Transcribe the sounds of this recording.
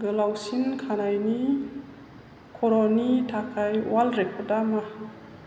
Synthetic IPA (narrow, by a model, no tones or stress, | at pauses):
ɡəlawsinkʰanajni | kʰɔɾɔnitʰakʰajwalɾekʰɔdama